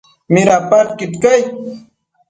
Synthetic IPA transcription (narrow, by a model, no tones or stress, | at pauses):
mɪɾapaɾkɪt̪kaj